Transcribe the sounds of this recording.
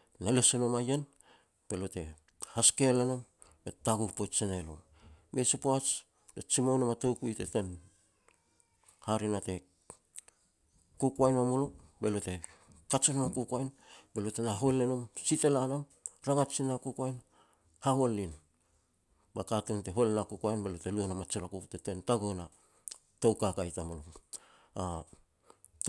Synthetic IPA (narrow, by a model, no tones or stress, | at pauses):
nalesonomajen | b̥e̞lote̞̰ | haskelenom | be̞taɡukpojt͡ʃenelo̰m | mesupoat͡ʃ | d̥et͡ʃimawnomatowkuite̞ten | haɾinate̞ | kukuajnamulobe̞lote̞kat͡ʃonamakukuajnbe̞lotenaɦo̞le̞nomsite̞lanam | ɾaŋat͡ʃinakukuajn | haholːin | bakatunte̞ɦolenakukajnbelote̞luonamat͡ʃiɾakupte̞te̞ntaɡona | towkakajtamulo | a